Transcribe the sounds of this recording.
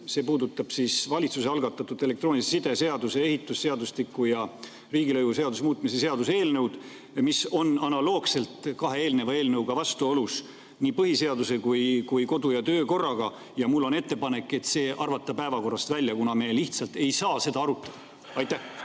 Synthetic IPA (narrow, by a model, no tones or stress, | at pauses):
se̞ːpuːd̪ut̪ːˑɑb̥sisvɑlʲit̪suseɑlɡ̥ɑt̪ːˑɑt̪ːˑud̪ele̞kt̪ro̞ːnʲissid̪̥e̞se̞ɑd̪use̞eɦit̪ːˑusːe̞ɑd̪uslikːˑujɑ | riːɡilɤjvuse̞ɑd̪usmuːt̪ːˑmisese̞ɑd̪use̞ːlnewd̪̥ | miso̞nɑnɑlo̞ːɡ̥se̞lt̪kɑɦe̞e̞ːlne̞vɑeːlnewɡ̥ɑvɑst̪uolus | niːpɤɦise̞ɑd̪use̞kujkujko̞d̪ujɑt̪ø̞ːko̞rːɑɡ̥ɑ | jɑmulːo̞ne̞t̪ːe̞pɑne̞kːˑe̞t̪se̞ːʔɑrvɑt̪ːˑɑpæevɑko̞rːɑst̪vælʲːjɑkunɑme̞liht̪sɑlt̪e̞jsɑːse̞d̪ɑɑɾut̪ːˑɑd̪̥ɑ | ɑjt̪ːˑæh